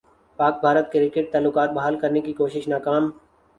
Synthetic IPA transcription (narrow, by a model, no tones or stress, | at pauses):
paːk̚bʱaːɾət̪keɾɪkɪʈ̚t̪aːlːʊkaːt̪̚bɐɦaːlkɐɾnekikoːʃɪʃnaːkaːm